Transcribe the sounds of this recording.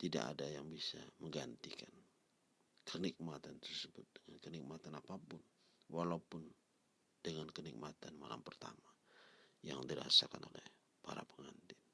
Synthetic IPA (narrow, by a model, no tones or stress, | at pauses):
t̪ida̰ka̰dajaŋbisaməŋɡant̪ikan | kʰənik̚mat̪ant̪ərsəbʊt̪̚dəŋankənik̚mat̪anapapʊn | walaupʊn | d̥əŋankənik̚mat̪anma̰la̰mpərt̪a̰majaŋdiɾa̰sakanolɛ̰h | paɾa̰pəŋant̪ɪn